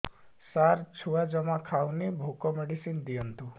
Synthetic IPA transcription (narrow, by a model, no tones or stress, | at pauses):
saɾt͡ʃʰuad͡ʒɔmakʰawnibʱukɔmeɽisind̪ijɔnt̪u